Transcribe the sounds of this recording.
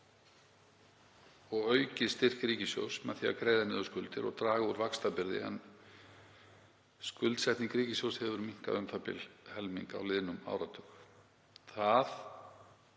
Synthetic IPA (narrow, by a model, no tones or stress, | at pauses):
ɔɣœːɥcɪst̪ɪr̥kɾiːcɪsjo̰wsmɛθia̰kɾeːjðanɪðʏskʏlt̪ɪɾɔ̰ɣt̪ɾaːɣuɾvakst̪apɪɾðɪ̰ɛ̰n | skʏlt̪sɛht̪niŋkɾiːcɪsjowshɛvʏɾmiŋ̥ka̰ðʏmθapɪ̰lhɛlmiŋka̰wlɪðnʏma̰ːwɾat̪ʏx | θað